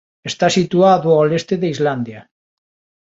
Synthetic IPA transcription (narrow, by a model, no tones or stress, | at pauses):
est̪asit̪uaðoalest̪eðeizland̪ja